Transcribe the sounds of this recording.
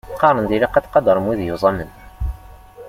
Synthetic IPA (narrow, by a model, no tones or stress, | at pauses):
qːɑɾˤənd̪iliqːæt̪qɑd̪ɑɾˤəmwiðjuzˤɑmːən